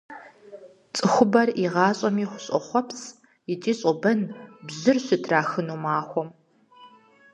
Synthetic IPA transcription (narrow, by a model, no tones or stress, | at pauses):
t͡sʼɨxʷʊbɐriʁɑːɕʼɐmiːχʷʊɕʼɔχʷɔpʰs | jɪt͡ʃʼiːɕʼɔbɐnbʑɨrɕɪtʰraːxɨnuːmaːxʷɔm